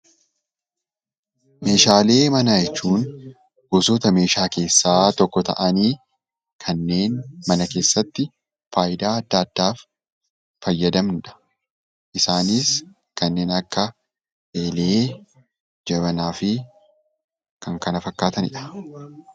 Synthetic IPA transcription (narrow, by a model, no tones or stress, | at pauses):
me̞ːʃaːle̞ːmɐnɐd͡ʒɛt͡ʃːuːn | bosoːt̪ɐme̞ːʃaːke̞ːsːaːt̪ɔkːɔt̪ɐ̰ʔɐniː | kʰɐnːe̞ːnmɐnɐke̞ːsːɐt̪ːɪ | faːʔɪd̪aːɐd̪ːɐd̪̥ːaːf | fɐjːɐd̪ɐmnᶑɐ̥ | ʔɪsaːnis | kɐnːe̞ːnɐkːɐ | ʔeːleː | d͡ʒɐbɐnaːfɪ | kɐŋkɐnɐfɐkːaːt̪ɐnɪ̰ᶑɐ̥